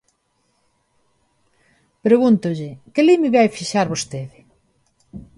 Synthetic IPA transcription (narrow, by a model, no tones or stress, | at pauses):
pɾeɣunt̪ʊʎɪkelimɪβajfiʃaɾβost̪eðɪ